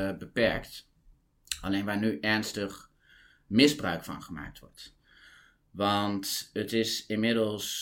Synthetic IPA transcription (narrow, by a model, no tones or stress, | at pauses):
bəpɛɹkt | ʔɑ̰lejnʋaːɹnyʔɛɹnstəχ | mɪzbrœ̰ɥkfɑ̰nχəma̰ːk̚tʋɔ̰ɹt | ʋɑntətɪsɪnmɪdəlˠs